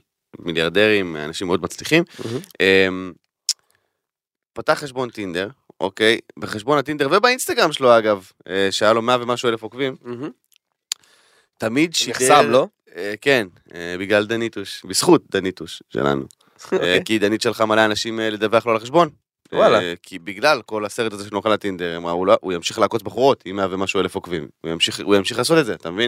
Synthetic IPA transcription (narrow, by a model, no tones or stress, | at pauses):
miljaʁd̪e̞ʁima̰naʃimeo̞d̪mat͡sliχimʔem | pataχːeʃbo̞nt̪ind̪e̞ʁʔo̰kejbeχeʃbo̞nat̪ind̪e̞ʁvebainst̪aɡʁamʃeloaɡav | eʃeajalo̞meavemaʃuelefokvim | t̪amid̪ʃiamlo | eke̞n | ebiɡlald̪anit̪uʃbisχut̪̚d̪anit̪uʃʃḛla̰nṵ | kid̪anit̪ʃe̞lχamalaanaʃimled̪aveaχlo̞alaχeʃbo̞n | walakʰibiɡlalko̞lase̞ʁet̪azeʃelnoχalat̪ind̪e̞ʁemʁauloʔujamʃiχlaːko̞t͡sbaχuʁo̞t̪imeavemaʃue̞lefokvimṵjamʃiχujamʃiχlaːs̬o̞t̪edzeat̪amevin